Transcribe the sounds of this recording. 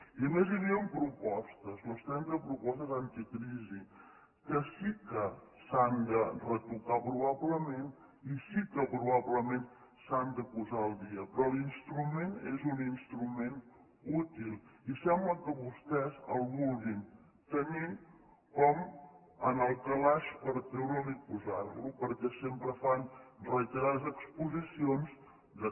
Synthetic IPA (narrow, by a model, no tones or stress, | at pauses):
iəmeziɾiəmpɾupɔst̪əzləst̪ɾɛnzəpɾupɔst̪əzant̪ikɾizi | kəsikəsand̪ərək̪ut̪apɾuβabləmen | isikəpɾuβaβləmen | sand̪əpuzaəlˠd̪iəpɾɔlinst̪ɾumenezuninst̪ɾumen | ut̪ilˠisɛmbləkəβust̪ɛzə̰lˠβulˠɣin | t̪əni | kɔm | ənəlˠkəlaʃpəɾt̪ɾewɾəlipuzaɾlupəɾkɛsempɾəfanrəit̪əɾazəkspuzisionz | d̪ə